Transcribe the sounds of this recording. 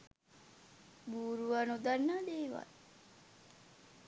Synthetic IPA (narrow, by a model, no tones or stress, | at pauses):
buːɾuʋanud̪anːəd̪eːʋa̰l